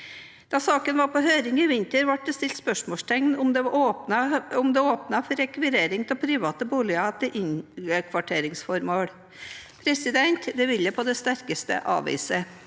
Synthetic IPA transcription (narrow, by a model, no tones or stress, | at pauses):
d̪̥ɑsɑːkənʋɑːɾpɔɦøːɾɪŋɪʋɪnt̪əɾʋɑʈ̚d̪əst̪ɪlt̪spœʂmoːʂʈ̪ʰɛŋnʊmd̪ɛoːpnɑʊmd̪ɛoːpnɑfɔɾɛkʋɪɾeːɾɪŋt̪ʰɛlpʰɾiːʋɑːt̪əbuːlɪɑt̪ʰɪʔɪŋəkʰʋɑʈʰeːɾɪŋsfɔɾmoːɽ | pʰɾɛsɪd̪ɛnt̪d̪ɛʋɪlːəpʰɔd̪ɛst̪æɾkəst̪ə̰ʔɑ̰ːʋḭːsə